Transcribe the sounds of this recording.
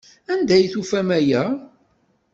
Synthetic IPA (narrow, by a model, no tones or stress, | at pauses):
ænd̪æjθufæmæjæ